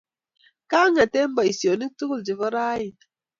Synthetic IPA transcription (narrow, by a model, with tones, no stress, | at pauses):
kaː˦ŋa˨te˦m˦ba˨i˨si˨o˨ni˦k̚tu˦ku˦˨ld͡ʒi˨və˦ɾa˦ji˨n